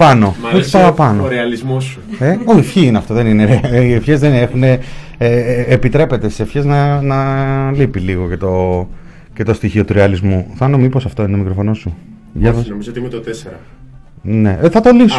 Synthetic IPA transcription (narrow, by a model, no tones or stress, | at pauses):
pɐno̞espɐpɐnoɾeɐlizmosueoçifçiineɐft̪o̞ðe̞nineɾefçezðenexune | eːpit̪ɾe̞pe̞t̪e̞sisefçeznɐnɐlipiliɣo̞cet̪o̞ | ce̞t̪o̞st̪içio̞t̪uɾeɐlizmuθɐnomipo̞sɐft̪o̞inmikɾofo̞no̞su | ʝɐnomizoot̪imet̪ot̪eseɾɐ̰ | ne̞θɐt̪o̞lis